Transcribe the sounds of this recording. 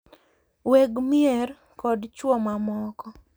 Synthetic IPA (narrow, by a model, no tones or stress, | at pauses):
weɡmɪɛr | kɔdt͡ʃwɔmamɔkɔ